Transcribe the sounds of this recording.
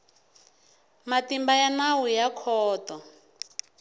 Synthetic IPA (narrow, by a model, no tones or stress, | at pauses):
matimbajanawujakʰɔːtɔ